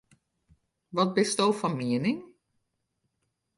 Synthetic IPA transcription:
ʋɔt̚bɪstowfɔnmiənɪŋ

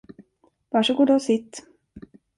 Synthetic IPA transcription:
vaʂəɡuːɖɛsɪt̪ː

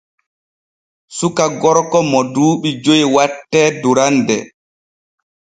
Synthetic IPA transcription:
sukaɡɔɾkɔmɔduːɓid͡ʒojwatːɛːduɾandɛ

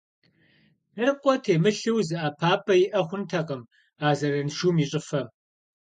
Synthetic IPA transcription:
nɨrqʷʼɔtʰeːmɨɬɨwzɨʔaːpʰaːpʼɐjɪʔɐχʷʊntʰɐqɐm | aːzɐrɐnʃuːmiːɕʼɪfɐ

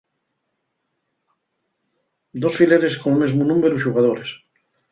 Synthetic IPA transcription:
d̪osfileɾeskonelmezmunũmeɾuʃuɣaðoɾes

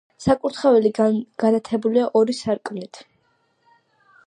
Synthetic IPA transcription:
sakʼuɾt̪ʰχavɛliɡ̥anat̪ʰɛbuliaʔɔɾisaɾkʼmnit̪ʰ

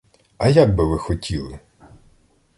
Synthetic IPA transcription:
ɐjaɡ̚bɪʋɪxɔtʲilˠɪ

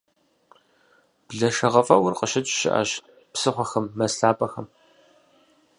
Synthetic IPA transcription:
b̥ɮɐʃɐʁɐfʼɐwʊrqəʃɪt͡ʃʼʃɪ̰ʔa̰ɕ | psɨχʷɔxɐmːɐsɬaːpʼɐxɐm

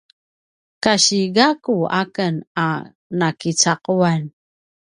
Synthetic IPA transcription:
kaɕiɡakuakəna | nakit͡saquan

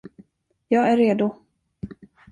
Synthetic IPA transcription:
jɑːɡæɾːeːd̪ʊ

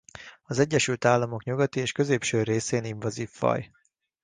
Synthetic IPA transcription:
ɒzɛɟːɛʃylt̪aːlːɒmo̞kɲuɡɒt̪ieːʃkø̞zeːpʃøːreːseːniɱvɒziːfːɒ̰j

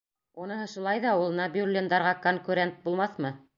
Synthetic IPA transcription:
unɤ̆ɦɤʃulˠɑjðɑulˠɤnɑbʊlʲːind̪ɑɾʁɑkoŋkuɾʲent̪̚bulˠmɑθmɤ

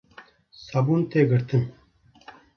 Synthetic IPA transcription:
sɐbuːnt̪eːɡəɾt̪ʰɨm

